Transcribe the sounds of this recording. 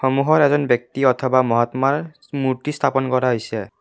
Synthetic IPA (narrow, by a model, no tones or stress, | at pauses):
xɔmuɦɔɹɛzɔnbjɔk̚tiɔt̪ʰɔbamɔɦɔt̪maɹ | muɹtistʰapɔnkɔɹaɦojsɛ